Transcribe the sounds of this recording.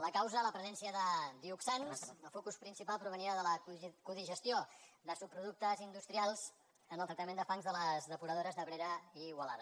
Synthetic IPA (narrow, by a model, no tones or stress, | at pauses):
ləkawzələpɾəzɛnsiəðəd̪iuksansəfokuspɾinsipalˠpɾuβ̞əniɾaðələkuðiʒəst̪iod̪əsup̚ːɾuðuk̚t̪əzind̪ust̪ɾialˠz | ənəlˠt̪ɾəkt̪əmend̪əfaŋzðələzðəpuɾəðoɾəzðəβɾeɾəiɣwəlaðə